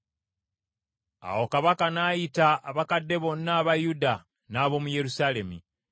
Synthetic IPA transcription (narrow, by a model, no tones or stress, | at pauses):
a̰wo̞kaβakanajitaːβakadːe̞βo̞nːaːβajuda | naːβo̞muje̞ɾusaːle̞mi